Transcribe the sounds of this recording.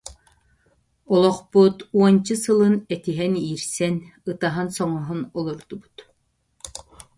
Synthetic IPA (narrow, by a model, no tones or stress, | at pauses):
ɔlˠɔχput̪uɔnt͡ɕɯsɯlˠɯnɛt̪iɦɛniːɾsɛnɯt̪aɦansɔŋɔɦunɔlˠɔɾd̪ubut̪